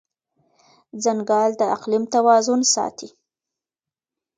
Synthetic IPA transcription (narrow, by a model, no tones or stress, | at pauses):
zaŋɡɑld̪əaqlimt̪awɑzʊnsɑ̰t̪i